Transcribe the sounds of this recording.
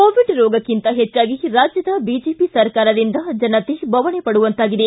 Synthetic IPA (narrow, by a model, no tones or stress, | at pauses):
koːʋiɖɾɔːɡɐkint̪ɐɦet͡ʃːaːɡiɾaːd͡ʒjɐd̪ɐbid͡ʒeːpisɐɾkaːɾɐd̪ind̪ɐd͡ʒɐnɐt̪ebʱɐʋɐɳepɐɽuʋɐnt̪aːɡid̪e